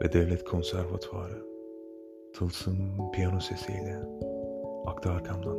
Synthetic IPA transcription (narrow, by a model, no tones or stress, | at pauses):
vɛd̪ɛvlʲɛt̪kʰo̞nsæɾvat̪ʰaːɾɯ | t̪ʰɯlˠsɯnpʰijanosesḛjlʲɛ | akt̪ʰɯːɾkʰamd̪ˠan